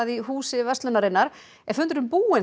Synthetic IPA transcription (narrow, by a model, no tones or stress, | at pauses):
aðiɦuːsɪvɛst̪lʏnaɾɪnːaɾ | ɛ̥fʏnt̪ʏɾʏmpuːɪn